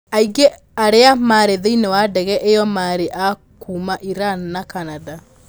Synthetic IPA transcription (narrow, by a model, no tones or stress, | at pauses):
aiɡe | aɾeamaɾeðeinewadɛɣɛʔejɔmaɾeʔa | kuːmaʔiɾanːakanada